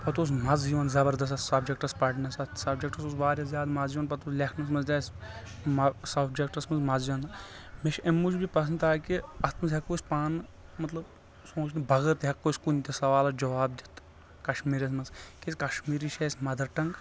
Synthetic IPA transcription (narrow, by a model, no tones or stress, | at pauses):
pɐt̪oːs̬mɐzd͡ʒiʋɐnzɐbəɾd̪ɐs̬ɐssɐbd͡ʒek̚ʈɐspɐʈnɐsɐt̪sɐbd͡ʒek̚ʈɐsosʋaːɾʲjazʲjaːd̪mɐzd͡ʒiʋɐnpɐt̪oːslʲekʰnɐs̬mɐnzt̪ʲɐs | msɐbd͡ʒek̚ʈɐsmɐnzmɐzd͡ʒiʋɐn | meʃemːud͡ʒbipɐs̬ʰɐnt̪aːkiɐst̪ʰmɐnzɦɐkːoːsʲpaːnmɐt̪lɐb | sõːt͡ʃʰnibɐɣəɾt̪ɦɐkːoːsʲkunʲt̪ʲesɐʋaːlɐd͡ʒɐʋaːb̚d̪ʲit̪ | kɐʃmiːɾɐs̬mɐzkisʲkɐʃmiːɾiʃʰeːsʲmɐd̪ɐɾʈɐŋɡ